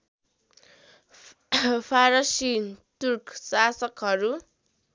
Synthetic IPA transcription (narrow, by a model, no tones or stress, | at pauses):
pʰaɾʌsit̪urksasʌkɦʌɾu